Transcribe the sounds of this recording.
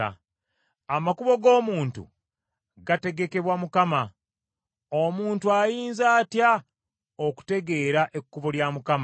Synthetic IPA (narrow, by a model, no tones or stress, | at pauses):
a̰ | amakuβo̞ɡo̞ːmuːntṵ | ɡate̞ɡe̞ke̞βwamukama | o̞muːntuajiːnzaːtja | oku̥te̞ɡe̞ːɾaʔe̞kːuβo̞ljamukam